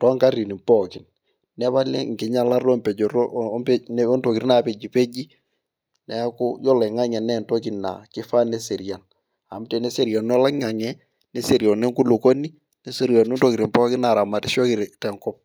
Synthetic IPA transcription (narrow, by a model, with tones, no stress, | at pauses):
tɔ˨˦ŋka˦ri˨ni˨mpɔ˦˨kɪ˨n | nɛ˦βa˦lɛ̰˦ŋkɪ˨˦ɲa˦la˦rɔ˦mpɛ˨d͡ʒɔ˨rnɔ˦nto˨ki˨ɾi˦na˨pe˨d͡ʒi˨pe˦d͡ʒi˦ | nɛ˦kʊ˦jɔ˦lɛ˨ŋa˦ɲɛ˨nɛ˦˨nto˦kɪ˨nna̰˨kɪ˦fa˦ne˦se˨ɾja˨n | a˨m˦te˨nɛ˦se˨ɾja˨nnɔ˦la˦ŋa˨ɲɛ˦ | ne˦se˨ɾjɔ˨nɛ˦ŋku˦lʊ˨ko˦ni˦ | ne˦se˦ɾjɔ˨no˦nto˨kɪ˨ɾi˨mpɔ˦kɪ˦na˨ɾa˨ma˨tɪ˦ʃɔ˦kɪ˨ɾtɛ˨ŋkɔ˦p̚